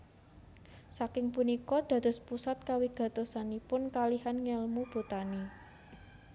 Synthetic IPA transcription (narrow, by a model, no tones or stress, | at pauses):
sakɪŋpunikɔd̪̥ä̤d̪̥ʊ̤spusat̪̚kawiɡ̥ä̤t̪osanipʊnkaliɦanŋɛlmub̥o̤t̪ani